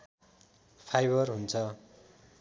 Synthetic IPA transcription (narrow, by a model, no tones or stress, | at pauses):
pʰajbʌrɦunt͡sʰʌ